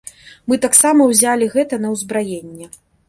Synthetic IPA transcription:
mɨt̪aksamɐwzʲalʲiɣɛt̪ɐnɐwzbɾajenʲːɛ

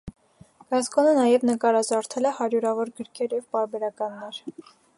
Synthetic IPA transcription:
ɡ̥ɑskɔnənɑjɛvnəkɑɾɑzɑɾt̪ʰɛlɛhɑɾjuɾɑvɔɾɡəɾkʰɛɾjɛvpɑɾbɛɾɑkɑnːɛɾ

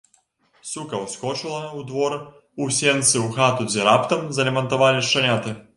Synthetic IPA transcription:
sukɐwskɔt͡ʃɨlˠɐud̪vɔɾ | usʲɛnt̪sɨuxat̪uzʲɛɾapt̪ɐmzɐlʲɛmɐnt̪ɔvalʲɪʂt͡ʂɐnʲat̪ɨ

